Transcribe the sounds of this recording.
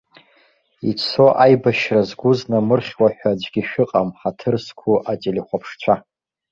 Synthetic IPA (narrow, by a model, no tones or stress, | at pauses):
it͡sʰo̞ʔajbaʃrazɡʷʊznamɨrχʲwaħʷᶣad͡ʒʷɡʲiʃᶣʊqʼamħatʰɨrskʷʰuʔatʼeliχʷapʰʂt͡ɕʷʰa